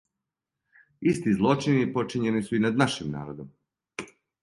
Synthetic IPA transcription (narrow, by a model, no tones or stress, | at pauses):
ist̪izlˠo̞t͡ʃinipo̞t͡ʃiɲe̞nisuinad̪naʃimna̰ːɾod̪om